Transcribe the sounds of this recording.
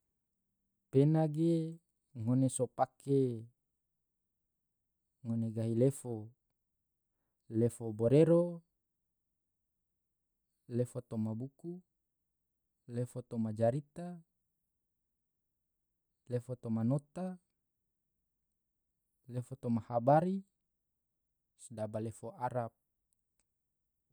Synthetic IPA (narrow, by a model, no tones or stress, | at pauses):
penaɡe | ŋonesopakʰe | ŋoneɡaɦilefo | lefoboɾeɾo | lefot̪omabuku | lefot̪omad͡ʒaɾit̪a | lefot̪omanot̪a | lefot̪omahabaɾi | sdabalefoʔaɾap̚